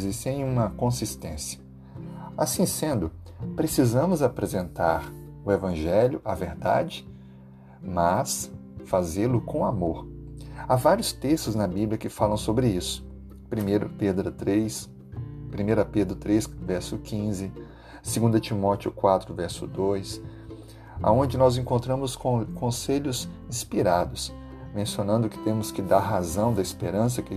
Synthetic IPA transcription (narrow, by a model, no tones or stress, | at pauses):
zist͡ʃẽj̃ũmɐkõsist̪ẽsiɐ̥ | asĩsẽnd̪ʊ | pɾesizɐ̃mʊzapɾezẽnt̪a̰ɾ | ʊevɐ̃ʒɛljʊɐveɾd̪a̰d͡ʒɪ | mɐsfazeɾlʊkõw̃amoɾavaɾjʊst̪eʃt̪ʊznɐbibliɐkɪfalɐ̃w̃sobɾɪisʊ̥ | pɾimeɾɐped̪ɾɐt̪ɾes | pɾimejɾɐped̪ɾʊt̪ɾesvɛɾsʊkʰĩzɪ | seɡũnd̪ɐt͡ʃimɔt͡ʃʊkwat̪ɾʊvɛɾsʊ̰d̪ojs | a̰õd͡ʒɪnɔzẽŋkõnt̪ɾɐ̃mʊskõseʎʊsĩspiɾad̪ʊs | mẽsionɐ̃nd̪ʊkɪ̥t̪ẽmʊskɪd̪aɾɦazɐ̃w̃d̪ɐispeɾɐ̃s̬ɐkɪ